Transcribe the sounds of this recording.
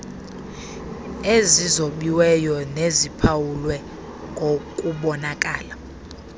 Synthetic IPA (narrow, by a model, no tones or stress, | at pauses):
ezizoɓiwɛjɔnezipʰawulwɛ | ŋɡʱokʼuɓɔnakʼaːla